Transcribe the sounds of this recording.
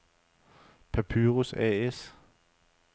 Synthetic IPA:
pʰæpʰyːʁusɛ̰es

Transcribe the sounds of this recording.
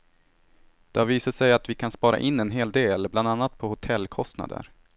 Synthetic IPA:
d̪̥ɛaviːsaʂɛjat̪vɪkʰanspɑːɾa̰ʔɪnːɛnɦeːld̪eːlbland̪anːat̪̚pʰɔhʊt̪ʰɛlːkʰɔst̪na̰d̪ə̰ɾ

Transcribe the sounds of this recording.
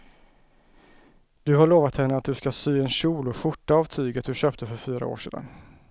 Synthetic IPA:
d̪ɵɦaɭoːvat̪hɛnːəat̪̚d̪ɵskasyːɛnɕuːlʊɧʊʈːaavt̪ʰyːɡət̪̚d̪ɵɕøːpt̪ʰəfœɾfyːɾa̰o̰ːʂḛːd̪a̰n

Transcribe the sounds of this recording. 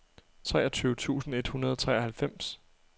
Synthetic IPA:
t͡sʰʁɛːɐt͡sʰyːʊət͡sʰṵːsn̩e̝d̥hunɐð̞ˠɒ̽t͡sʰʁɛɐhælfem̰s

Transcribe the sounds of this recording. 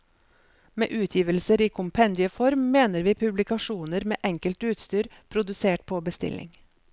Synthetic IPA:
mḛːʔʉːt̪ʰjiːʋəlsəɾiːkʰʊmpʰɛnd̪ɪəfɔɾmːeːnəɾʋiːpʰʉblɪkɑʃuːnəɾmḛːʔɛŋkəlt̪ʉːt̪st̪yːɾ | pʰɾʊd̪ʉseːʈ̚pʰoːbəst̪ɪ̰lɪ̰ŋ

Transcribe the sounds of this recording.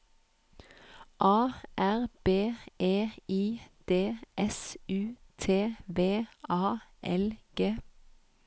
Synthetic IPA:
ʔɑːʔæʁb̥eːʔeːiːd̪̥eːʔɛsʉːt̪ʰeːʋeːɑːʔɛ̰lɡ̥eː

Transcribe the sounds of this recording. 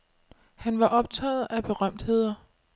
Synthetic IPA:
hænʋɑ̈ʔɒ̽b̥̚t͡sʰɛ̰ð̩ˠæb̥e̝ʁɶm̰d̥he̝ð̰ˠɐ

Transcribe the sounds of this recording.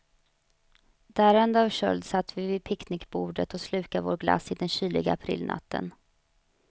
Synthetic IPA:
d̪̥æːɾɛnd̪aːvɕœ̰ld̪sat̪ːvɪvɪpʰɪknɪkbuːɖət̪ɔslʉ̟ːkavoːɾɡla̰sɪd̪ɛnɕyːlɪ̰ɡaapʰɾɪ̰lnʔa̰t̪ːə̰n

